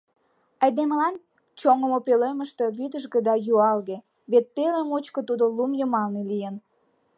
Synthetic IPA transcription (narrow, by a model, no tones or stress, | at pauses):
ɑjd̪eməlɑn | t͡ɕoŋəmopeleməʃt̪øβyd̪əʒɡĕd̪ɑjuɑlɣe | βet̪ːelemot͡ɕkot̪ud̪olumjəmɑlnelijən